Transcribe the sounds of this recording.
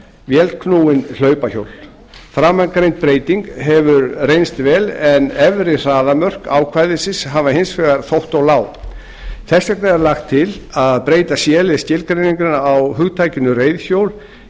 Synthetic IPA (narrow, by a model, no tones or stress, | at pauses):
vjɛlt̪̚kʰnuːwɪnl̥œːɥpaço̰wl | fɾaːmankɾejnt̪̚pɾeːjt̪iŋkɦɛvʏɾrejnst̪vɛːlɛnɛvɾɪr̥aːðamœr̥ka̰ːwkʰvaːjðɪsɪshavaɦensfɛɣaɾ̥θowht̪ɔɣlaːw | θɛsɛknaɛɾlaxt̪ʰːɪl | aðpɾeːjt̪asjɛːlɪscɪlkɾejniŋkɪnaːwɦʏɣt̪ʰaːjcɪnʏreːjðçjowl